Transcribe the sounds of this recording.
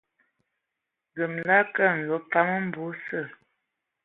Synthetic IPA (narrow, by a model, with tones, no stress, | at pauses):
ɡə˨mla˦kə˦˨n̩˨lo˨˦pa˦mə˦m̩˦bu˨˦sə˦˨